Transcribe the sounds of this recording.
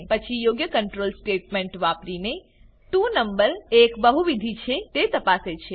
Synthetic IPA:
pət͡ʃʰijoɡjəkəɳʈɾolsʈeʈmẽɳʈʋapɾine | t̪ũnəmbəɾekbəɦuʋid̪ʱit͡ʃʰet̪et̪əpaset͡ʃʰe

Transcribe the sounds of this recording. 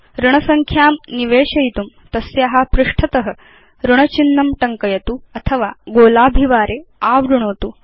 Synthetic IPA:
ɾuɳ̃ɐsɐŋkʰjaːmniʋeːɕɐjt̪um | t̪ɐsjaɦapɾuʂʈʰɐt̪ɐɦə̆ | ɾuɳɐt͡ɕinːɐmʈɐŋkɐjɐt̪uːɐt̪ʰɐʋaːɡoːlaːbʱiʋaːɾeaːʋɾuɳ̃oːt̪uː

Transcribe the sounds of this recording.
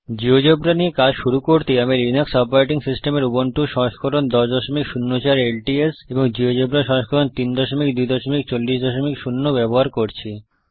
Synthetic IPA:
d͡ʑiod͡ʑobɾaniekad͡ʑʃuɾukoɾt̪eamiɾinaksɔpoɾejʈiŋsisʈemeɾuboɳʈuʃɔ̃ʃkʰoɾond̪ɔʃd̪ɔʃomikʃunːot͡ɕaɾelʈieseboŋd͡ʑiod͡ʑobɾaʃɔ̃ŋʃkʰoɾont̪ind̪ɔʃomikd̪ujd̪ɔʃomikt͡ɕolːiʃd̪ɔʃomikʃunːobɛboɦaɾkoɾt͡ɕʰi

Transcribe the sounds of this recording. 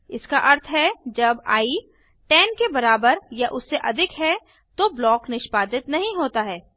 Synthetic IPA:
ɪskaʔɐɾt̪ʰɦɛd͡ʒɐba̰ːi | ʈɛːnkebɐɾaːbəɾjaʔʊsːeʔɐd̪ʱɪkɦɛ | t̪oblɔːknɪʃpaːd̪ɪt̪nɐɦĩɦoːt̪aɦɛː

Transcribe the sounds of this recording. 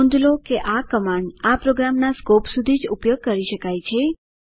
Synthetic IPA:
nd̪lokeʔakəmaɳapɾoɡɾamnaskopsud̪ʱid͡ʒupjoɡ̚kəɾiʃəkajt͡ʃʰe

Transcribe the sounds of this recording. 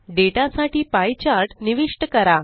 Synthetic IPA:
ɖeʈasaʈiːpajt͡ɕaɾʈniʋiʂʈəkəɾa

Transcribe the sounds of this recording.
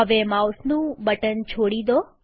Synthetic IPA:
əʋemawsnũbəʈənt͡ʃʰoɽid̪o

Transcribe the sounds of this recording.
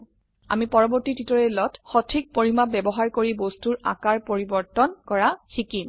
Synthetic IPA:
a̰mipɔɹɔbɔɹtititɔɹɛlɔtxɔtʰik̚poɹimabɛbɔɦaɹkoɹibostuɹa̰kaɹpoɹibɔɹtɔnkɔɹaxikim

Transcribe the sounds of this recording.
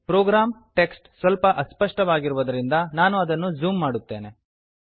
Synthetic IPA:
pɾoːɡɾaːmʈe̞ksʈsʋɐlpɐʔɐspɐʂʈɐʋaːɡiɾuʋɐd̪ɐɾind̪ɐnaːnuɐd̪ɐnːud͡ʒuːmːaːɽut̪ːe̞̰ːne̞

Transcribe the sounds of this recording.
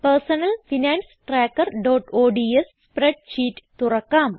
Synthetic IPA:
pɐrsɐnɐlfinaːnsʈraːkːɐrɖoːʈoːɖies | preɖ̚t͡ɕiːʈːɨ̥t̪urɐkːaːm

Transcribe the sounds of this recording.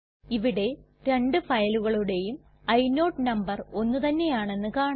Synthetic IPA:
iʋiɽe̞ | ɾe̞ɳɖɨfɐjɐluɣɐɭuɽe̞jum | ɐjno̞ːʈːnɐmbɐro̞nːut̪ɐnːe̞jaːɳe̞nːɨkaːɳ

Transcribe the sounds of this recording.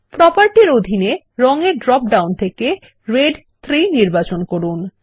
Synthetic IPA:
pɾɔpaɾʈiɾod̪ʱine | ɾɔŋeɾɖɾɔp̚ɖawnt̪ʰeke | ɾeɖ | t̪ʰɾiniɾbat͡ɕonkoɾun

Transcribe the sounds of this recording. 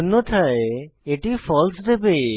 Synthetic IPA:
nːot̪ʰaeeʈifɔlsd̪ebe

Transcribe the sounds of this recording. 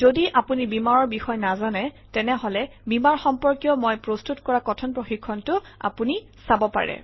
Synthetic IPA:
zodiʔapunibimaɹɔɹbixɔjnazanɛ | tɛnɛɦɔlɛbimaɹxɔmpɔɹkjɔmɔjpɹostʰutkɔɹakɔtʰɔnpɹoxikʰːɔntʊa̰puni | sabɔpa̰ɹɛ̰

